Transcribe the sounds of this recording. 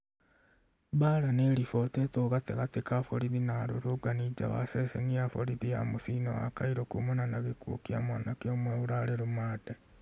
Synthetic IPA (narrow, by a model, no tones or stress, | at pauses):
baːlaneɾifotetoɣateɣatekafoɾiðinaɾuɾoɡanid͡ʒa̰βa̰sesḛniafoɾiðija̰musino̰wa̰kaiɾokumunanaɣikṵkiamwaːnakiomweuɾaleɾumaːde